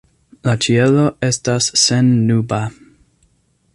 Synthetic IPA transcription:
lat͡ʃielo̞e̞stasːenːuba

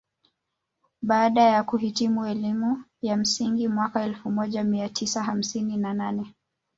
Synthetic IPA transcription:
ɓaːɗajakuɦitimuɛlimujam̩siŋɡimwakaɛlfumɔʄamiatʰisaham̩sininananɛ

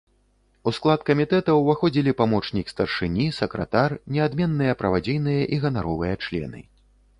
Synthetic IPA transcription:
usklˠat̪kɐmʲit̪ɛt̪ɐwvaxɔd͡zʲilʲipamɔt͡ʂnʲikst̪ɐrʂɨnʲisɐkɾɐ̰t̪arnʲɛad̪mʲɛnːɨjɐpɾɐvad͡zʲijnɨjɐʔiɣɐnaɾɔvɨjɐt͡ʂlʲɛ̰nɨ̰

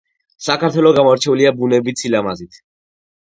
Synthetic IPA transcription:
sakʰaɾt̪ʰwɛlɔɡamɔɾt͡ʃʰɛuliabunɛbit̪sʰilamazit̪ʰ

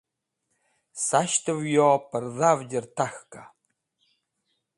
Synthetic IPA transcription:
saʃtʰɨvjɔpʰərðavd͡ʒʲɪrtʰaxkʰa

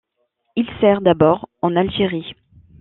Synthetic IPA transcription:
ilsɛʁd̪abɔʁɑ̃nalʒeʁi

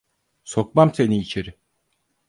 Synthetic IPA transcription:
so̞k̚mamse̞niːt͡ʃʰeɾɪ

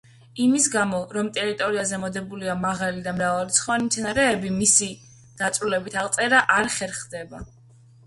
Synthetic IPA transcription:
imisɡamɔɾɔmt̪ʼɛɾit̪ʼɔɾiazɛmɔd̪ɛbuliamaʁalid̪amɾavaɾit̪sʰχɔanimt̪sʰɛnaɾɛːbimisi | d̪̥at̪sʼɾulɛbit̪ʰaʁˠt̪sʼɛɾaʔaɾχɛɾχd̪ɛba

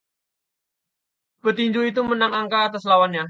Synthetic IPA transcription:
b̥ət̪iɲd͡ʒuit̪̬umənaŋaŋkaːt̪aslawanɲa

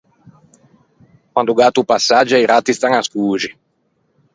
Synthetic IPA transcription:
kwand̪uɡat̪upasːad͡ʒːaiɾat̪ːist̪aŋaskuːd͡ʒi

